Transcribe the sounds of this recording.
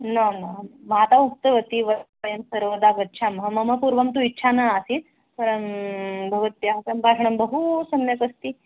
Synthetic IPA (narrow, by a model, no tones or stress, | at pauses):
nɐnɐmaːt̪auk̚t̪ɐʋɐt̪iʋɐt̪pɐjɐmsɐɾʋɐd̪akɐtːt͡ʃʰamɐɦɐmɐmɐpuːɾʋɐmt̪uitːt͡ʃʰanaasiːt̪ | pɐɾɐnbʱɐʋɐt̪jaɦɐkɐmbʱaːʂɐɳɐmbɐɦusɐmjɐkɐst̪i